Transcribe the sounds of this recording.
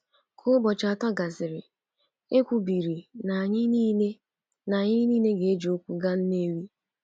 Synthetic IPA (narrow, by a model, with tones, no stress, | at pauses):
kʰʊ˦bɔ˨t͡ʃa˨ta˦ɡa˨sɪ˨ɾɪ˨ | e˦kʷu˨bi˨ɾi˨na˨ɲɪ˦ni˦ne˦ | na˨ɲɪ˦niː˦ne˦ɡe˨e˦d͡ʒi˨o˦kʷu˨ɡa˦n̩˦ne˦ɾi˦